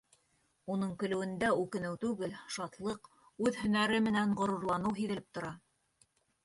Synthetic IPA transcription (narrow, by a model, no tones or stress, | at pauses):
unɤɴkɵ̆lɵ̆wɘ̆nd̪æʉkɘ̆nɘwt̪ʉɡɘlʃɑt̪lˠɤq | ʉðhɵ̆næɾɘmɘ̆næɴʁŏɾŭɾlˠɑnɤwɦiðɘ̆lɘp̚t̪ŏɾɑ